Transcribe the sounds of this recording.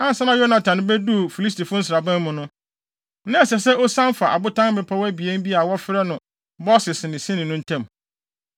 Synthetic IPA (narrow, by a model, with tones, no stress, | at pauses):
ã˦n˨sã˦nã˦jo˦nã˨tʰã˨n˦bɛ˦du˦˨fi˨li˦s̬tʰi˨fʊ̃˦n̩˦s̬ɪ˨ɾa˨bæ̃˦m˦mʊ̃˨nʊ̃˦ | nã˦ɛ˨sɛ˨sɛ˦ʔɔ˦sã˦mfa˨ʔa̰˨bʊ˦tʰã˦ŋ˦mɪ˨pʰa˦wæ˦bi˨ɛ̃˦n˦bi˦a˨wɔ˦fɪ˦ɾɛ˦nʊ̃˨ | bɔ˦sɪ˨snɪ̃˨sĩ˦nɪ̃˨nʊ̃˦n̩˦tʰɛ̃˦˨m